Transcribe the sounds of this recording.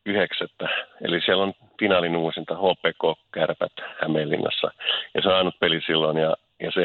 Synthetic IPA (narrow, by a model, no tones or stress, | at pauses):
yhekset̪ːæḛlisiælːon | finɑlinuːsint̪ɑhoːpˑeːkoːkærpæ̰t̪hæmelːḭnːɑ̰sːɑ̰jɑseɑˑinut̪̚pelisilːonjɑ | jɑse